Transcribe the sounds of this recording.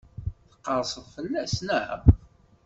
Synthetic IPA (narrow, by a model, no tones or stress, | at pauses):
θə̥qːɑɾˤsˤəðˤfəlːæsnəʕə̰